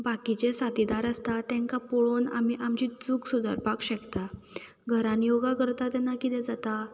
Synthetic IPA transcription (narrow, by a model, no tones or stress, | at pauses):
bakit͡ɕesat̪id̪aɾəst̪at̪ɛ̃ŋkapoɭona̰m̤iʔamd͡ʑiːd͡zuːksud̪ə̰ɾpakɕəkt̪a | ɡʱəɾãnijoɡakəɾt̪at̪ɛnːakit̪ɛ̃d͡zat̪a